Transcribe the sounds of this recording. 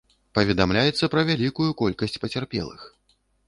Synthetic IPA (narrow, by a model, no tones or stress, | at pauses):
pɐvʲɛd̪amlʲajɛt̪sːɐpɾɐvʲalʲikujukɔlʲkɐsʲt͡sʲpɐt͡sʲarpʲɛ̰lˠɨ̰x